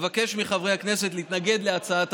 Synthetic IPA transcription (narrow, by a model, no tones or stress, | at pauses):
vake̞ʃmiχavʁehakne̞se̞t̪leit̪naɡe̞d̪leat͡saat̪